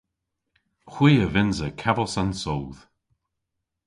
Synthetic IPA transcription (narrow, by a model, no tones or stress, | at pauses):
xwiːəvɪnzəkʰɛvəlˠsansowð̥